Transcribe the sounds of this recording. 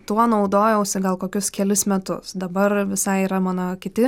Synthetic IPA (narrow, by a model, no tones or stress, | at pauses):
t̪uɔnɐʊd̪oːjɛʊsʲɪɡɐlˠkoːkʲʊskʲɛlʲɪsmʲɛt̪ʊ̰sd̪ɐbɐrʋʲɪsɐɪiːɾɐmɑːnoːkʲɪt̪ʲɪ